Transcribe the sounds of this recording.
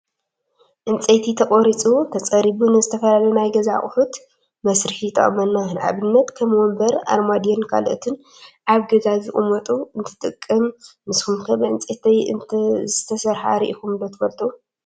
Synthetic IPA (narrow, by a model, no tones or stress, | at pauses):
ʔɨnt͡sʼet̪ʰit̪ʰɐkʼoɾit͡sʼut̪ʰɐt͡sʼɐɾiβunɨzɨt̪ʰɐfɐlalɐnajɡɐzaχʼħut̪ | mɐsɾɨħit̪ʰɐ̰χʼmɐnːahɨnʔa̰βɨnːɐt̪kʰɐmwɔmbɐɾa̰ɾmad̪ɛnkʰa̰loʔt̪ʰɨn | ʔaβɡɐzazɨʔʼɨmɐt̪ʼuɨnt̪ʰɨ̥t̪ʼɨkʼːɨmːɨskumkʰɐbɨʔɨnt͡sʼet̪ɐ̰ | zɨt̪ʰɐsɐɾħa̰ɾiʔikumnd̪ɐt̪ʰɨfɐlt̪ʰo